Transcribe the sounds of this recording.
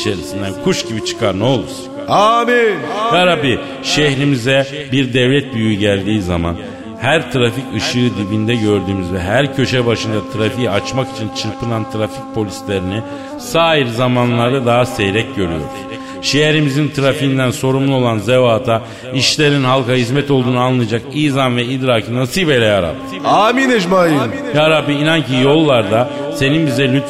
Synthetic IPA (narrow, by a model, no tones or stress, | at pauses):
it͡ʃʰe̞ɾisind̪ænkʰuʃɟibit͡ʃʰɯ̥kʰaɾnolˠuɾ̥ | amijaɾabi | ʃeçɾimizɛ | biɾd̪ɛvlʲɛt̪̚byjyɟælʲd̪iːzama̰n | hæɾt̪ʰɯɾaficɯʃɯːd̪ibind̪ɛɟø̞ɾd̪yːmyzvɛɦæɾcʰø̞ʃɛbaʃɯnd̪at̪ʰɯɾafijat͡ʃmaki̥t͡ʃʰint͡ʃʰɯɾpʰɯnant̪ʰɯɾafic̚pʰo̞lʲislʲe̞ɾini | saːiɾzamanlˠaɾd̪ad̪aɦasejɾɛcɟø̞ɾy̰jo̞̰ɾu̥z̥ | ʃijeɾimizint̪ʰɯɾafiːnd̪ænso̞ɾumlˠuo̞lˠanzevaːt̪ʰa | iʃlʲeɾiinɦalˠkaɦizmɛt̪o̞lˠd̪uːnuanlːˠaɯjd͡ʒakiːzanvɛid̪ɾaːkʰɯnasibe̞lʲɛaɾa̰p | aːminɛd͡ʒmaːjinjaɾapiinancijo̞lˠːaɾd̪ase̞ninbizɛlʲyt̪f